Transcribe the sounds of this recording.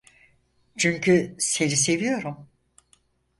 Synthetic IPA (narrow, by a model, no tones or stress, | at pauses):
t͡ʃʰyɲcʰyse̞nis̬e̞vijo̞ɾum